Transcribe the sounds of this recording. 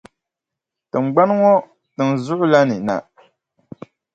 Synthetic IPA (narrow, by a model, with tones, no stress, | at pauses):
tɨ˨ŋ͡m̩˨ɡ͡ba˦n˦ŋɔ˦ | tɨ˨n˨zʊ˦ʔʊ˦la˦nɨ˨na̰˨